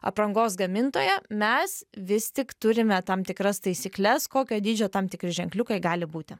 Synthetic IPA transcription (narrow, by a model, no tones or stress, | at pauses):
ɐ̰pɾɐŋɡoːsɡɐmʲɪnt̪oːjɛmʲɛsʋʲɪst̪ʲɪkt̪ʊɾʲɪmʲɛt̪ɐmt̪ʲɪkɾɐst̪ɐɪsʲiːklʲɛskoːkʲoːd̪ʲiːd͡ʒʲoːt̪ɑmt̪ʲɪkɾʲɪʒʲɛŋklʲʊkɐɪɡɑːlʲɪbuːt̪ʲɪ